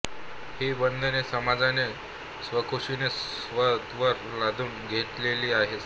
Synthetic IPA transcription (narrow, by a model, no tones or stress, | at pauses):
hibənd̪ʱənesəmad͡zane | sʋəkʰoɕines | ʋət̪ʋəɾlad̪ʱuːnɡʱeʈ̪leliːaɦe